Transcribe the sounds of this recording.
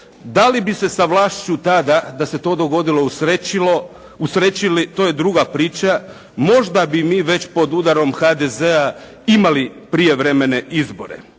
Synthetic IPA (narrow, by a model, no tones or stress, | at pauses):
d̪alibise̞saʋlˠaːʃt͡ʃut̪ad̪ad̪ase̞t̪o̞ːd̪o̞ɡo̞d̪ilo̞ɾeilo | usɾe̞t͡ɕilit̪oːje̞d̪ɾuɡapɾiːt͡ɕa | mo̞ʒd̪abimiːʋe̞t͡ɕpo̞d̪ud̪aɾo̞mxad̪ezea | imalipɾije̞ʋɾeme̞ne̞ʔizbo̞ɾḛ